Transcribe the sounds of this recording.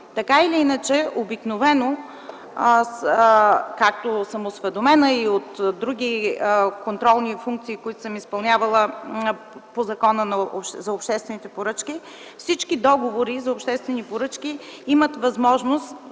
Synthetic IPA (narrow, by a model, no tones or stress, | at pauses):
t̪ɐkailiinət͡ʃɛobiknovɛno | kak̚t̪osəmosvɛd̪omɛnəiot̪d̪ɾuɡ̟ikont̪ɾɔlˠnifuŋk̪̚siːkoit̪o̥səmispɐlˠnʲavɐlˠə | pozɐkɔnənɐozɐopʃt̪ɛst̪vɛnit̪ɛpoɾət͡ʃk̟i | fsit͡ʃkid̪ɔɡovoɾizɐopʃt̪ɛst̪vɛnipoɾɤt͡ʃkiimət̪vɐzmɔʒnost̪